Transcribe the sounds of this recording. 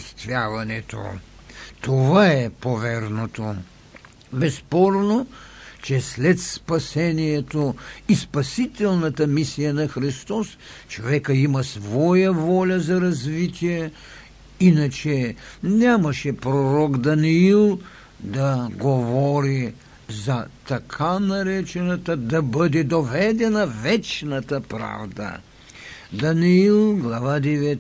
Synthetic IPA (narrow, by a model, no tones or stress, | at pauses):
st̪vʲjavɐnɛt̪o̰ | t̪ovaɛpovɛɾnot̪o | bɛspɔɾnot͡ʃɛslɛt̪spɐsɛnijɛt̪oispɐsit̪ɛlˠnɐt̪ɐmisijɐnɐxɾist̪ɔst͡ʃovɛkəimɐsvɔjɐvɔlʲɐzɐɾɐzvit̪ʲijɛ | inɐt͡ʃɛnʲamɐʃɛpɾoɾɔɡd̪ɐniilˠ | d̪ɐɡovɔɾi | zɐt̪ɐkʰanɐɾɛt͡ʃɛnɐt̪ɐd̪ɐbəd̪ɛd̪ovɛd̪ɛnɐvɛt͡ʃnɐt̪ɐpɾa̰vd̪ɐ̰ | d̪ɐniilˠɡlˠavad̪ɛvɛ